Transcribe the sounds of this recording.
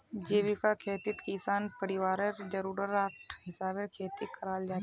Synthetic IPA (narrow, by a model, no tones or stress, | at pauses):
d͡ʒeːbikakʰeːt̪ɪt̪kisaːnpɐɾɪwaːɾəɾd͡ʒɐɾuːɾəɾaːkʈʰɦɪsaːbekʰeːt̪ikʰɐɾaːld͡ʒaːt̪ː